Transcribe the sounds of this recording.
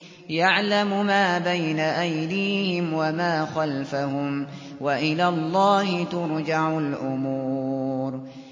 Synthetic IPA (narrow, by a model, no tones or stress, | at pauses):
jaʕlamʊmaːbajnaʔajd̪iːhɪmwamaːxalfahʊm | waʔɪlaːlˤːɑːhɪt̪ʊɾd͡ʒaʕʊlʔʊmuːuːɾ